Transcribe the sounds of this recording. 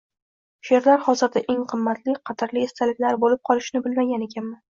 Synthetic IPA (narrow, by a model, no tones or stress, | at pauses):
ʃeɾlaɾhɒzɪɾd̪aʔe̞ŋqʰɨmːat̪lɪqʰɑt̪ʰaɾliest̪ʰalɪkʲlaɾbolɪp̚qʰɒlˠɪʃnɪbɪlmaɡʲane̞kʲʰanman